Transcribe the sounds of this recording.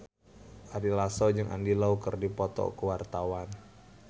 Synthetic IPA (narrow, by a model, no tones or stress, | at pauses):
ʔaɾilasɔd͡ʒɨŋʔa̰ndilaukərdipɔt̪ɔ̰kuwart̪awan